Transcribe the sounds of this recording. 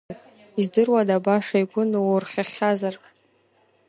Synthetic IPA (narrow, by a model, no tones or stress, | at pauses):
izdɨrwadabaʂajɡʷʊnwʊrχʲaχʲazar